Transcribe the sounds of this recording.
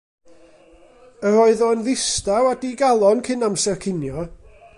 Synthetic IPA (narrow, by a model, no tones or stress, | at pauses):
əɾɔɨðɔənðɪstawadiɡalˠɔnkʰɪnamsɛrkʰɪnjɔ